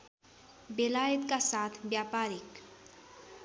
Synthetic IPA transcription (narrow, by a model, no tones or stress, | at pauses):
belaːjət̪kasaːt̪ʰbjaːpaːɾik